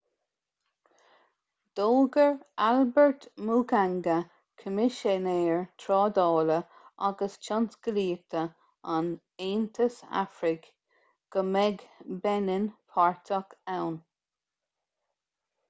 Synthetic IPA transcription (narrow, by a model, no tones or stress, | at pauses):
d̪̥oːɡəɹalbəɹtmuːkaŋɡə | kʰəmɪʃɛneːɹt̪ʰɾɑːd̪ɔːlə | ʔa̰ɡəst͡ʃʰɑnsɡ̥əliːk̚t̪ʰə | an | eːnt̪ʰəsa̰fɾɪk | ɡ̥əmɛɡbɛnɪnpʰaɹt̪ʰəkawn